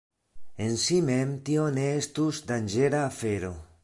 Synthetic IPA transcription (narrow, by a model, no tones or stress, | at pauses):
ensimemt̪ioneest̪uzd̪and͡ʒeɾaːfeɾo̰